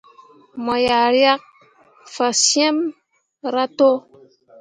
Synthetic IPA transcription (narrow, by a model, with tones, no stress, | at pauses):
mɔ˨ja˨ɾja˦k̚ | fa˨sjɛ˦m | ɾa˦to˦